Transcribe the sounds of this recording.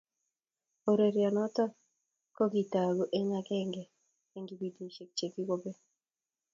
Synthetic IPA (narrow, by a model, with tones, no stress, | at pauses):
o˨ɾe˨ɾja˨nɔ˦tɔ˦ | kɔ˦ɡi˨ta˨ɡu˨ʔe˦ɲa˨kɛ˦ŋɡɛ˨ | e˦ŋɡi˨bi˨du˨t͡ʃe˨k̚t͡ʃe˨ki˦wo˦be˦